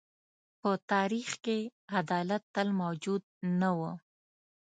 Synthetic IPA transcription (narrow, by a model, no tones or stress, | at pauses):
pət̪ɑɾixkead̪ɑlat̪ːəlmawd͡ʒud̪̚nawə